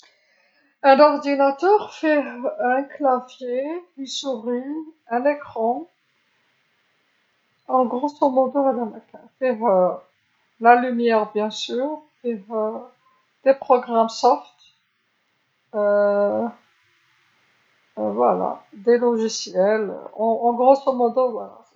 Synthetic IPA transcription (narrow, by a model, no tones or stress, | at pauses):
ɛ̃nɔʁd̪inat̪œʁfɛɛ̃klafjekisuʁiɛ̃nekχɑ̃ | ɑ̃ɡʁosɔmɔd̪ɔalamakɛ̃fɛø | lalymjɛʁbjɛ̃syːʁ | eø | d̪̥epχɔɡʁamsɔʁt̪ | ø | vwa̰la̰d̪elɔʒisjɛlø̰ɑ̃ɑ̃ɡʁosɔmɔ̃d̪ovwala̰